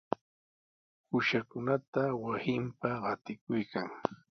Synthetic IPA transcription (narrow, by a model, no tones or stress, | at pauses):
hʊʃakʊnat̪awasɪmpaɢɑt̪ɪkʊjkʰaŋ